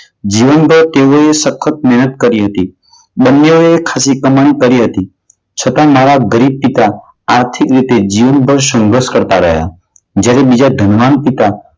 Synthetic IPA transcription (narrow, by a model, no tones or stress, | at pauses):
d͡ʒiʋənbʱəɾt̪eoesəkʰːət̪̚mɛɦnət̪̚kəɾiɦət̪i | bənːeoekʰasikəmankəɾiɦət̪i | t͡ʃʰət̪amaɾaɡəɾib̚pit̪aː | ɾt̪ʰikɾit̪ed͡ʒiʋənbʱəɾsə̃ŋɡɾəskəɾt̪aɾə̰ɦja̰ | d͡ʒjaɾebid͡ʒad̪ʱənʋanpit̪a